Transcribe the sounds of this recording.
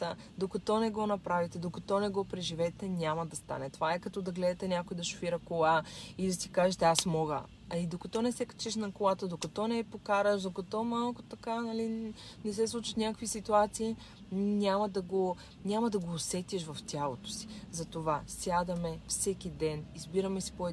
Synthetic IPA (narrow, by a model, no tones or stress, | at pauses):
t̪a | d̪okɐt̪ɔnɛɡɔnɐpɾavit̪ɛd̪okɐt̪ɔnɛɡɔpɾɛʒivɛt̪ɛnʲamɐd̪ɐst̪a̰nɛt̪ovaɛkɐt̪ɔd̪ɐɡlɛd̪ɐt̪ɛnʲakoid̪ɐʃo̥fiɾəkolˠaid̪ɐsikaʒɛt̪ɛasmɔɡə̰ | ɐid̪okɐt̪ɔnɛsɛkɐ̥t͡ʃɛʃnɐkolˠat̪əd̪okɐt̪ɔnɛpokaɾəʃd̪okɐt̪ɔmalˠkʊ̥t̪ɐkanɐli | nɛs̬ɛslˠut͡ʃit̪nʲakəkvisit̪uat̪siː | nʲamɐd̪ɐɡo | nʲamɐd̪ɐɡoːsɛt̪iʃvɐft̪ʲalˠot̪o̥si̥zɐt̪ovasʲjad̪ɐmɛfsɛk̟ʲid̪ɛnizbiɾɐmɛsi̥poɛ